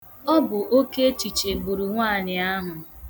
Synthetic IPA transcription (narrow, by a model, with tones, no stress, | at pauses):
ɔ˦bʊ˨ʔo˦ke˦t͡ʃi˨t͡ʃe˨ɡ͡bu˨ɾu˨ŋʷaː˦˨ɲɪ˨a˦ɦʊ˨